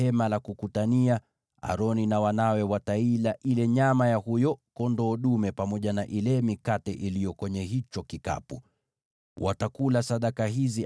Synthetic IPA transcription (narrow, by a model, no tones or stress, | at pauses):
ɛmalakukutania | a̰ɾɔninawanawɛwatailaʔilɛɲamajahujɔkɔndɔːɗumɛpamɔʄanaʔilɛmikatɛʔilijɔkwɛɲɛɦit͡ʃɔkika̰pṵ | wʔa̰takulasaɗakaɦizi